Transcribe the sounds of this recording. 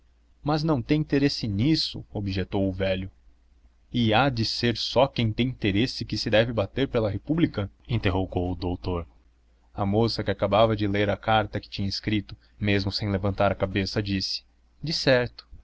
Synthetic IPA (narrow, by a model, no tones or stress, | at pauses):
mɐznɐ̃w̃t̪ẽj̃ĩt̪eɾesɪnisʊ̰obiʒet̪owʊvɛlʊ | ɪad͡ʒɪseɾsɔkẽj̃t̪ẽj̃ĩt̪eɾesɪkɪsɪd̪ɛvɪbat̪eɾpelɐɦepublikɐĩnt̪eɦoɡowʊd̪owt̪oɾ | ɐmosɐkɪakabavɐd͡ʒɪleɾɐkaɾt̪ɐkɪ̥t͡ʃĩɲɐɪskɾit̪ʊ | mezmʊsẽj̃levɐ̃nt̪aɾɐkabesɐd͡ʒisɪ̥ | d͡ʒɪsɛɾt̪ʊ̥